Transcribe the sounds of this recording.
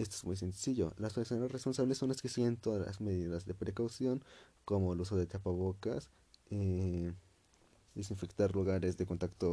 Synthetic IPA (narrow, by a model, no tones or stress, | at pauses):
e̞st̪oezmujse̞nsiʝo̞̰laspeɾsonasrespo̞nsaβlesːoneskesient̪oðala̰zmeðiðazðe̞pɾe̞kawsjo̞ŋ | ko̞moelus̬oðet̪apaβ̞okas | e | d̪esiɱfekt̪aɾluɣaɾezðeko̞nt̪akt̪o